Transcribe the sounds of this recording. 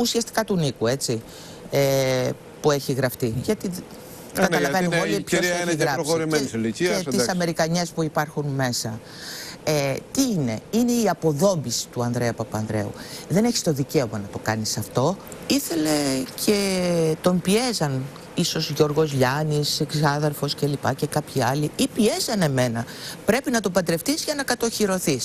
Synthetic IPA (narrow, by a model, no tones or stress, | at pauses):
usiɐst̪i̥kɐt̪unikue̞t͡si | e | pue̞çiɣɾɐft̪iʝɐt̪i | kɐɐlɐveniolipçoeiɣɾɐɾimseissɐme̞ɾikɐɲe̞spuipɐɾxunme̞sɐ | et̪iine̞ine̞iɐpo̞ðo̞mbisi̥t̪uɐnðɾe̞ɐpɐpɐnðɾe̞̰ṵðe̞neçi̥st̪o̞ðice̞o̞mɐnɐt̪o̞kɐnisɐft̪o̞ | iθe̞le̞cʰe̞t̪o̞mpie̞zɐn | iso̞zʝo̞ɾɣo̞zʎɐniseksɐðeɾfo̞scelipɐ̰ce̞kɐpçiɐliipie̞zɐne̞me̞nɐ | pɾe̞pinɐt̪o̞pɐd̪ɾe̞ft̪izʝɐnɐkɐt̪o̞çiɾo̞θis